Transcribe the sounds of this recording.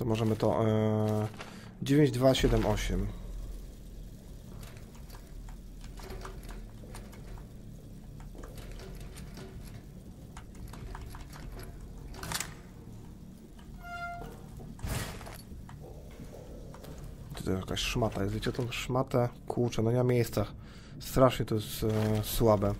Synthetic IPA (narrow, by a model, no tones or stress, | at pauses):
t̪ɔmɔʐɛmɘt̪ɔ̰ʔ | d͡ʑevʲjẽɲd͡ʑd̪vaɕɛd̪ɛmʔɔɕɛm | t̪ɔt̪ɔjɛʃjakaɕʂmat̪ajɛszit͡ɕɛt̪ɔmʂmat̪ɛkʰut͡ʂɛnaɲɛmamʲjejst̪sax | st̪ɾaʂɲɛt̪ɔjɛst̪swabɛ